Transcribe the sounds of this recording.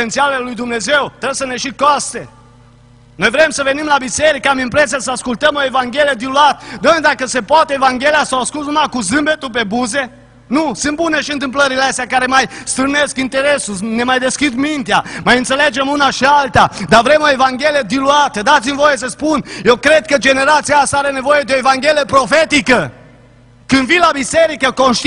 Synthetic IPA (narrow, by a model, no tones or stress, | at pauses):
ent̪sialelujd̪umne̞zewt̪ɾebsəneʃikast̪e | no̞jvɾemsəve̞nimlabiseɾikəamimpɾesijasəaskult̪əmoevaŋɡʲelied̪iluat̪əd̪əmd̪akəse̞poat̪eevaŋɡʲeliasawaskulzumakuz̬ɨmbet̪up̬e̞buze̞ | nusɨnt̪buneʃiɨnt̪ɨmpləɾileest̪ʲjakaɾemajst̪ɾɨneskint̪e̞ɾe̞sune̞majd̪e̞skʲid̪mint̪iamajɨnt̪se̞le̞d͡ʒe̞munaʃialt̪ad̪avɾe̞mo̞e̞vaŋɡʲe̞lijed̪iluat̪əd̪at̪simvo̞jes̬əspunje̞wkɾe̞d̪̚kəd͡ʒe̞ne̞ɾat̪siast̪aaɾe̞ne̞vo̞je̞d̪eo̞evaŋɡʲe̞liepɾo̞fe̞t̪ikə | kɨnd̪vilabise̞ɾikəko̞nʃt̪